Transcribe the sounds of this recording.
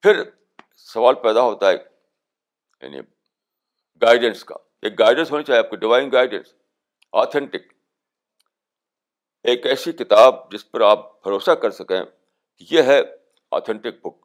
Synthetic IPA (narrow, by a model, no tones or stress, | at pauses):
fʰɪɾ | sɐʋaːlpɛːd̪aɦoːt̪aɦɛ | ja̰ːnḭ | ɡaːɪɖə̃nska̰ː | eːk̚ɡaːɪɖə̃nsɦoːnat͡ʃaːieaːp̚kaɖɪʋaːɪ̃ŋɡaːɪɖə̰̃ns | a̰ːt̪ʰɛ̃ɳʈɪk̚ | eːkɛːsikɪt̪aːb̚d͡ʒɪspɐɾaːp̚bʱɐɾoːsakɐɾsɐkḛ̃ | kijeɦɛ | a̰ːt̪ʰɛ̃ɳʈɪk̚bʊk̚